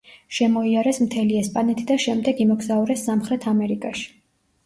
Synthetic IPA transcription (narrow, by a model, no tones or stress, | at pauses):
ʃɛmɔiaɾɛsmt̪ʰɛliɛspʼanɛt̪ʰid̪aʃɛmd̪ɛɡimɔɡzauɾɛsːamχɾɛt̪ʰamɛɾikʼaʃi̥